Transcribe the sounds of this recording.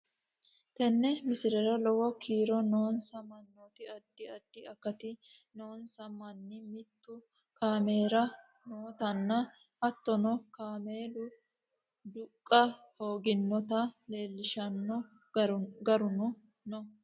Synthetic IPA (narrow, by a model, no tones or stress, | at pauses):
t̪ɛnːɛmɪsɪɾɛɾɐlɔwɔkʰiːɾɔnoːnsɐmɐnːoːt̪ɪɐd̪ːɪɐd̪ːɪɐkːɐt̪ɪ | noːnsɐmɐnːɪmɪt̪ːʊ | kaːme̞ːɾɐ | noːt̪ɐnːɐ | ʔɐt̪ːɔnɔkaːmeːlʊ | d̪ʊkʼːɐho̞ːɡɪnːɔt̪ɐle̞ːlːɪʃɐnːɔ | ɡɐɾʊnɔ | nɔ